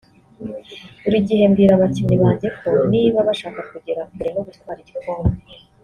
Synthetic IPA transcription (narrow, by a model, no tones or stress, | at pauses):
uɾiɟihe̞mɡiɾaβaciniβaːɲɟe̞kʰo̞niːβaβaʃaːkakuɟeɾakuɾenoɡutwaːɾiɟikoːmbe